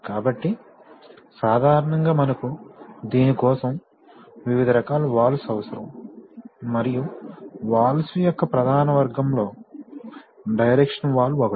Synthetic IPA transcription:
kaːbɐʈːi | saːd̪ʱaːɾɐɳɐŋɡaːmɐnɐkud̪iːnikɔːsɐm | ʋiʋid̪ʱɐɾɐkaːlɐʋaːlɐsɐʋɐsɐɾɐ̰m | mɐɾijuʋaːlɐsujɔkːɐpɾɐd̪ʱaːnɐʋɐɾɡɐmlo̞ː | ɖɐjɾekʂɐnʋaːlːuɔkɐ

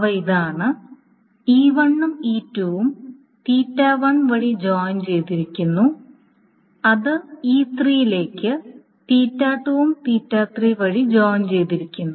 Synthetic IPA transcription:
ʋɐiðaːɳɨ | iːʋɐɳːumiːtːuʋum | t̪iːtːaːʋɐɳʋɐɻid͡ʑoːjɲt͡ɕe̞jt̪iɾikʲːunːu | ɐðɨiːt̪rijile̞ːkʲːɨ | t̪iːtːaːʈːuʋumt̪iːtːaːt̪riʋɐɻid͡ʑoːjnt͡ɕe̞jt̪iɾikʲːunːu

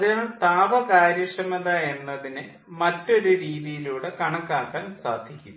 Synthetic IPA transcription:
ɐðinaːɭt̪aːʋɐkaːɾjiʂɐmenðaːje̞nːɐðinɨ | mɐtːo̞ɾuɾiːðijiluːɽekɐɳɐkːaːkːaːnsaːd̪ʱikʲːum

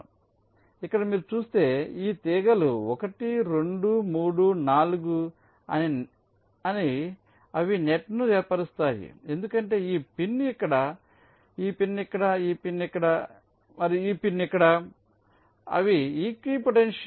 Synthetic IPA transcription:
ikːɐɽɐmiːɾut͡ʃuːst̪e̞ːiːt̪iːɡɐluɔkɐʈiɾeɳɖumuːɽunaːluɡu | ɐ̰ni | ɐni | ɐʋineʈnujɛːɾpɐɾist̪aːjḭe̞nd̪ukɐɳʈe̞ːiːpinːikːɐɽɐ | iːpinːikːɐɽɐiːpinːikːɐɽɐ | mɐɾiiːpinːikːɐɽɐ | ɐ̰ʋiiːkipoʈenʂ

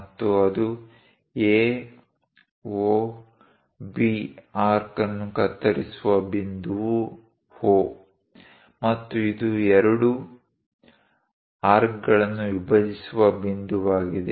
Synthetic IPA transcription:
ɐt̪ːuɐd̪u | eː | oː | biːaːɾkɐnːukɐt̪ːɐɾisuʋɐbind̪uu | hoː | mɐt̪ːuid̪uɛɾɐɽu | aːɾkɡɐɭɐnːuʋibɐd̪isuʋɐbind̪uʋaːɡid̪e

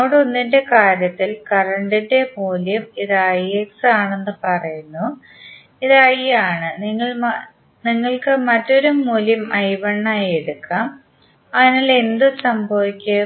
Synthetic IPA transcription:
oːɽonːinde̞kaːɾjɐt̪ːilkɐrɐɳɖinde̞muːljɐmiðɨɐjeksaːɳenːɨpɐrɐjunːu | iðajjaːɳɨniŋːɐɭm | niŋːɐɭkɨmɐtːo̞ɾumːuːljɐmɐjʋɐɳːaːje̞ɽukːaːm | ɐðinaːle̞nd̪ɨsɐmbʱɐʋikʲːɐ

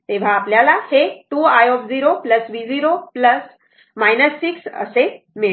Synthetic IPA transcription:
t̪eʋ̤aːpljalaheʈuːajopd͡ziɾopləsʋid͡ziɾopləs | majnəsːiksə̰se | miɭ

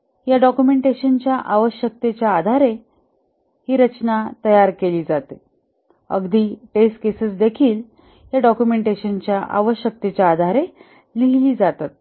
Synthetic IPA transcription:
jaɖɔkjumeɳʈeɕənt͡ɕjaʔaʋəɕjək̚t̪et͡ɕjaːd̪ʱaɾe | hiːɾət͡ɕnat̪əjaɾkeliːd͡zat̪e | ə̰ɡd̪ʱiːʈeskesəsd̪ekʰiːl | jaɖɔkjumeɳʈeɕənt͡ɕjaʔa̰ʋəɕjək̚t̪et͡ɕjaːd̪ʱaɾe | liɦliːd͡zat̪at̪̚

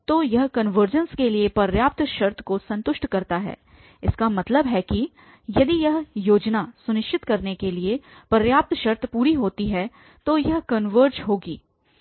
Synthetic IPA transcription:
t̪oːjɐɦkɐnʋəɾd͡ʒənskeliepɐɾjaːp̚t̪ʃɐɾt̪ʰkosɐ̃nt̪ʊʃʈkɐɾt̪aɦɛ̰ː | ɪskamɐt̪ləbɦɛki | jɐd̪ijɐɦjoːd͡ʒnasʊnɪʃt͡ʃɪt̪kɐɾnekeliepɐɾjaːp̚t̪ʰʃɐɾt̪ʰpuːɾiɦoːt̪iɦɛː | t̪ojɐɦkɐnʋəɾd͡ʒɦoːɡiː

